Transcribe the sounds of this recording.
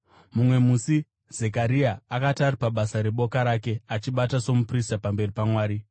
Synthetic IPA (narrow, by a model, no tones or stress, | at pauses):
mumwe̞musi | z̥e̞k̬aɾiaːkataripaɓasaɾe̞ɓo̞kaɾake̞at͡ʃiɓataso̞mupristapambe̞ripamwaːɾi